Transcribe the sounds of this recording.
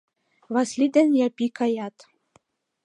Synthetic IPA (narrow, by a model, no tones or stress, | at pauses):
βɑslid̪ɘ̆njɑpikɑjɑt̪